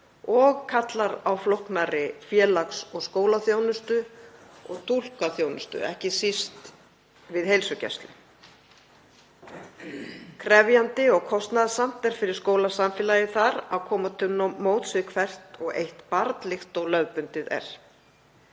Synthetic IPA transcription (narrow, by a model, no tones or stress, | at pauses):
ɔɣkʰat̪laɾawflohknaɾɪfjɛːlaksɔɣskoːwlaθjownʏst̪ʏɔɣt̪ʰul̥kaθjownʏst̪ʏ̰ɛ̰hcɪsist̪ | vɪðhejlsʏcɛ̰st̪lɪ | kʰɾɛvjant̪ɪɔɣkʰɔst̪naðasam̥t̪ɛɾ̥fɪɾɪɾ̥skoːwlasamfɪːlajɪθaɾaðkʰɔːmat̪ʰʏnɔmoːwt̪svɪkʰvɛr̥t̪ɔɣḛjht̪paɾt̪lɪxt̪ɔɣlœɥpʏnt̪ɪðɛ̰ɾ̥